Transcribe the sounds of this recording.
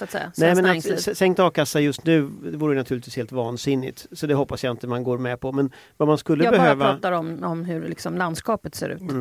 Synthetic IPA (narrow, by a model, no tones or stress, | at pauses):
sat̪sɛ̰ja̰nɛɪmɛnatŋsɛŋkt̪ɑːvkasːajɵst̪nʉ̟ːd̪ɛvuːɾəjʏnat̪ʰʉːlɪt̪viːsheːlt̪vɑːnsɪnːɪ̰t̪sɔd̪ɛɦɔpːasjaɪnt̪əmanɡoːɾmɛpʰɔmɛn | vamanskɵlːəbɛhøːvaɑːt̪ːaɾɔmɔmɦɵɾlɪksɔmland̪skɑːpət̪sḛːɾʉ̟̰ːt̪